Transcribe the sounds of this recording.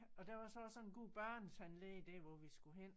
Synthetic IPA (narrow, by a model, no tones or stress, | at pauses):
ɒ̽d̥æʋɑ̈sɒ̽ɒ̽sɒ̽nnɡ̥o̝̰ːb̥ɶɐ̰nshænled̥eʋɒʋisɡ̥uɦen̰